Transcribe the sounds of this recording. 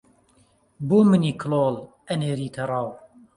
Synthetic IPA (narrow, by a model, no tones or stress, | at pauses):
boːmɨniːkʰloːl | ɐneːɾiːt̪ʰɐrˤɑːw